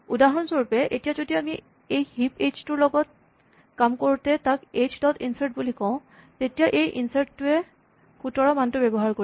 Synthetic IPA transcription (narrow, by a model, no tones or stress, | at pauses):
udaɦɔnsoɹupɛʔetijazodiami | ejhipet͡ʃtʊɹlɔɡɔt̚ | kamkoɹutɛtaket͡ʃdɔtḭnsaɹt̚bulikɔ̃ʊ̃ | tetijaʔejʔḭnsaɹʈːʊɛ | kʰutɔɹɔmantʊbɛbɔɦaɹkoi